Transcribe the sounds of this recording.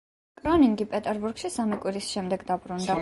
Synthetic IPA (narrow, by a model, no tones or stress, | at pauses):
kʼɾɔniŋɡipʼɛt̪ʼɛɾbuɾɡ̥ʃisamikʼwiɾisʃɛmd̪ɛɡd̪abɾund̪a